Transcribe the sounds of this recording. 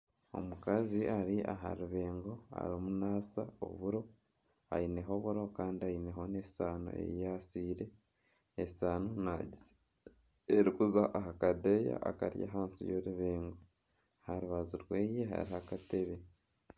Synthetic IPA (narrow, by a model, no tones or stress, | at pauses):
o̞̰mukaziʔaɾiaɦa̰ɾuβe̞ːŋɡo̞a̰ɾomunaːsao̰βuɾo̞ | a̰ine̞ɦo̞βuɾo̞kaːndiaine̞ɦo̞nesaːno̰ḛjasiːɾe̞ | esaːnonai | eɾikuzaʔaɦakadeja̰aka̰ɾja̰ɦaːnsḭjoɾuβeːŋɡo | haɾuβaziɾweːjeɦa̰ɾihakate̞βe